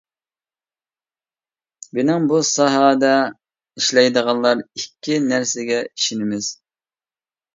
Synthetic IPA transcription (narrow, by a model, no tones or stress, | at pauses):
bɪnɪŋbusɑɦɑːd̪ɛ | iʃlɛjd̪əʁɑnlˠɑɾikʲːinæɾsɪɡʲɛiʃinɪmɪz̥